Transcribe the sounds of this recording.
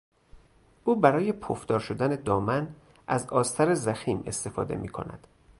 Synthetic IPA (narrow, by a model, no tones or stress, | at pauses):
ʔuːbæɾɒːje̞pʰofd̪ɒːɾʃod̪æne̞d̪ɒːmæn | ʔæzɒːst̪ʰæɾezæxiːme̞̰st̪e̞fɒ̰ːd̪e̞̰mḭːkʰo̞̰næ̰d̪̥